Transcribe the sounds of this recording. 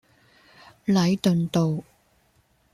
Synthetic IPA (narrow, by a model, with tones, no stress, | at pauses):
lɐ˨˧˥jt̪ɵ˨nt̪o˨w